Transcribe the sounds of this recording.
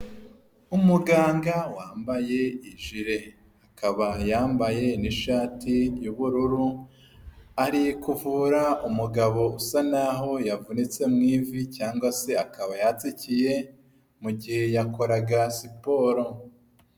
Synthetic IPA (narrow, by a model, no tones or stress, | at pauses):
umuɡaːŋɡawaːmbaje̞iʒiɾe̞ | akaβajaːmbaje̞niʃaːtʰijuβuɾuɾu | aɾikuvuːɾaumuɡaβo̞usanaɦo̞javunit͡se̞mŋiːvicaːŋɡwase̞akaβajat͡sicije̞ | muɟihe̞jako̞ɾaɡasipo̞ɾo̞